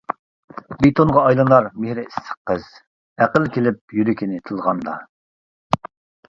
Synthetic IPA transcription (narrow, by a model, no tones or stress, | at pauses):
bet̪ʰonʁɑːjlˠɨnˠɑɾmehɾɪisə̥qːəz̥ | æqəlkʲʰelɪp̚jyɾɪkʲʰinɪt̪ʰɨlˠʁɑnd̪ɑ̰